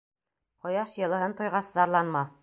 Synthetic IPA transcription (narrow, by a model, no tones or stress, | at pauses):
qŏjɑʃjɤ̆lˠɤ̆ɦɤnt̪ŏjʁɑszɑɾlˠɑnmɑ